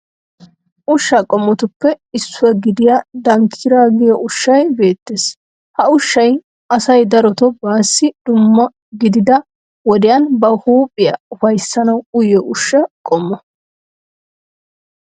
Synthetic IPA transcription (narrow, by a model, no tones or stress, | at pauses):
ʔʊʃːɐkʼɔmːɔt̪ʊpːɛɪsːʊwɐɡɪd̪ɪjad̪ɐŋkʰɪɾaːɡɪjɔʔʊʃːɐjbe̞ːt̪ːeːs | hɐʊʃːɐj | ɐsɐjd̪ɐɾɔt̪ɔbaːsːɪd̪ʊmːɐ | ɡɪd̪ɪd̪ɐ | wɔd̪ɪjɐnbɐhuːpʼɪjɐ̰ʊfɐjsːɐnɐwʊjɔʔʊʃːɐkʼɔmːɐ